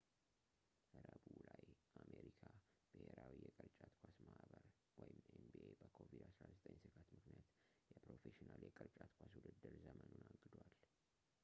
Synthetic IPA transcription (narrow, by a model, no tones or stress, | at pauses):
kʰəɾəbulajʔameɾikʰa | b̥ɨheɾawijɛkʼəɾt͡ʃʼat̪kʷʰasmaʔβəɾ | wɔjɪmenbiebəkʰovid̪asɾazət̪ʼəɲːsɨɡʰat̪mɨknijat̪jɛpɾo̞feʃinaljɛkʼəɾt͡ʃʼat̪kʷʰaswud̪ɨd̪ːɨɾzəmənunaɡːɨd̪wal